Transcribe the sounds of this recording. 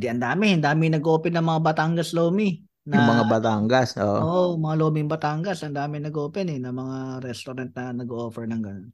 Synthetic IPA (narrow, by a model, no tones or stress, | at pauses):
d̪iʔɐnd̪aːmɪhɪnd̪aːmɪŋnɐɡoːpɛnɐŋmɐŋabɐt̪aːŋɡɐsloːmɪ | njɐʊŋmɐŋabɐt̪aŋɡɐsʔo̰ːʔʔoʔomɐŋaloːmɪŋbɐt̪aŋɡɐsɐnd̪aːmɪnɐɡoːpɛnɛnɐmɐŋaɾɛst̪oɾant̪̚nɐnɐɡoʔoːfɛɹnɐŋɡɐnon